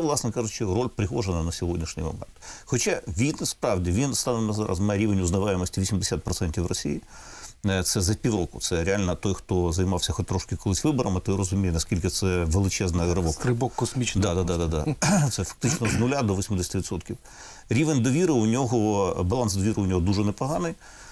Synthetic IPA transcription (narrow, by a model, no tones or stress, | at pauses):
ɛʋlˠɑsnɛkɑʐʊt͡ʃɔrɔlʲpɾɪɦɔʐənɐnɐsʲɔɦɔdʲnʲiʂnʲḭjmɔ̰mɛ̰nt̪xɔt͡ʃaʋʲispɾɑʋdʲiʋʲinst̪ɑnɪmnɐza̰ɾʔɐ̰zmajɛɾʲiʋenʲʊznɐʋajɪmɔsʲtʲiʋʲisʲimd̪ɪsʲat̪̚pɾɔt̪sɛnʲtʲiwrɔsʲḭji | t̪sɛzɐpʲiwɾɔkʊt̪sɛɾʲealʲnɐt̪ɔjxt̪ɔzɐjmɑwsʲɐxɔt̚ʲt̪ɾɔʃkɪkɔlˠɪsʲʋɪbɔɾɐmɪt̪ɔɾɔzʊmʲijɪnɐsʲkʲilʲkɪt̪sɛʋelˠɪt͡ʃɛznɐɐɦɾɪbɔkɾɪbɔkːɔsmʲit͡ʃd̪ɑd̪ad̪ad̪ad̪ɑ̰t̪sɛfɐ̥k̚t̪ɪt͡ʃnɔznʊlʲad̪ɔʋɔsʲmɪd̪esʲɐt̪ɪʋʲɪt̪sɔt̪kʲiw | ɾʲiʋenʲd̪ɔʋʲiɾɪʊnʲɔɦɔbɐlˠɑnsd̪ɔʋʲiɾɨʊnʲɔɦɔd̪uʐɛnepɐɦɑnɪj